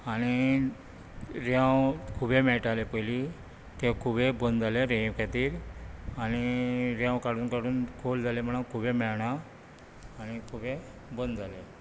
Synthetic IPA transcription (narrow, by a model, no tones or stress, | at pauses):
añi | ɾjãwkʰubemɛɭʈalepəjli | t̪ekʰubebənd̪d͡zaleɾẽkat̪iːɾaniɾjãwkaɽuːnkaɽuːnkʰold͡zalem̤əɽ̃akʰuːbemɛɭɳaː | ñikʰubẽ | bənd̪d͡zale